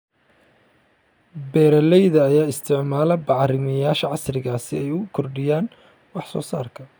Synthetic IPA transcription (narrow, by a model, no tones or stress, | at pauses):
bɛːɾɐlɛjðɐːjaːɪst̪ʰɪʕmaːlɐbɑʕɾɪmɐjaːʃɐʕɑsrɪɣaːsɪ̰ɛjʊkʰɔrɖɪjaːn | wɑħsɔ̰ːsaːrkʰɐ